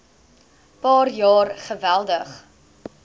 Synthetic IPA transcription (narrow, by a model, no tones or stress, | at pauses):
pɑːrjɑːrχəvælˠdəχ